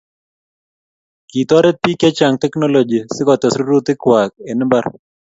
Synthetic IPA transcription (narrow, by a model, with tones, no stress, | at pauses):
ki˨t̪ɔ˦ɾɛ˦t̚pi˦kɛ˦t͡ʃa˨ŋt̪ɛ˦kno˦lo˨d͡ʒi˨sɪ˦kɔ˨t̪ɛ˨sɾu˦ɾu˦t̪ɪ˦kwa˨k̚e˨n˦mba˦ɾ